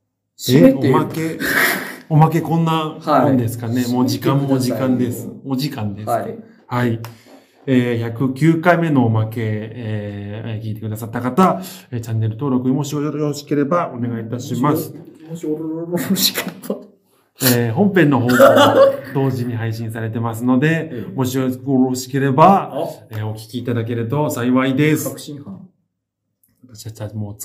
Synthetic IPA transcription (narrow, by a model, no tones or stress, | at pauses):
eomake̞ | o̞mak̬e̞kõ̞nːaõ̞nd̪e̞sɨ̥kane̞moʑikãmːo̞ʑikãnd̪e̞sɨ̥o̞ʑikãnd̪e̞s | hai | eːçakɯ̟kʲɨːkaime̞no̞ːmake̞ː | kʲiːt̪e̞kɯd̪asat̪ːakat̪aet͡ɕãnːe̞ɾɯ̟t̪oːɾo̞kɯ̟ɲimo̞ɕiooɕi̥ke̞ɾe̞bao̞ne̞ɡait̪aɕimasɨ̥ | ɕkt̪ | eːɦõ̞mpẽ̞nːo̞ɦo̞ːɡ̪od̪o̞ːʑiɲ̟iɦaiɕĩɰ̃saɾe̞t̪e̞mas̬ɨno̞d̪e̞mo̞ɕioɡoɾoɕi̥ke̞ɾe̞baeːo̞kʲi̥kʲiːt̪ad̪ak̬e̞ɾɯt̪o̞saiβaid̪e̞s | βat̪aɕi̥at͡ɕamo̥ː